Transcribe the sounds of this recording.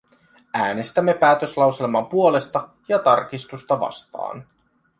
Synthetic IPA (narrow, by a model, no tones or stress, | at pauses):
æːne̞st̪æmːe̞pæːt̪ø̞slɑwse̞lmɑpuo̞le̞st̪ɑ | jɑt̪ɑrk̟ist̪ust̪ɑʋɑ̰st̪ɑ̰ːn